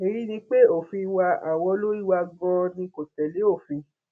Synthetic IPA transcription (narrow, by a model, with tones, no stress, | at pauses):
e˨ɾi˦nĩ˧k͡pe˦o˨fĩ˧wa˧a˨wɔ̃˧˦lo˦i˦wa˧ɡɔ̃˧nĩ˧˦ko˨tɛ˨le˨˦o˦˨fĩ˧